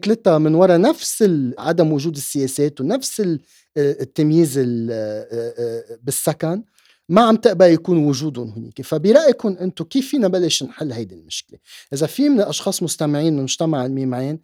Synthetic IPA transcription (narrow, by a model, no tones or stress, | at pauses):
t̪lɪt̪ːamɪnwɑɾˤɑnafsɪlʕad̪amwʊʒuːd̪ɪsːɪjeːseːt̪unafsɪ | t̪ːamjiːzɪl | bɪsːakan | maʕamt̪ɪʔbaʕjakuːnwʊʒuːd̪ʊnɦʊnḭːkefabɪɾˤɑʔjkʊnʔɪnt̪okiːfːiːnabalːeʃnħɪlːhajd̪ilmɪʃkleʔɪzafimɪnɪlʔɑʃxɑːsˤmʊst̪amɪʕiːnʔnmʊʒt̪amaʕɪlmiːmʕeːn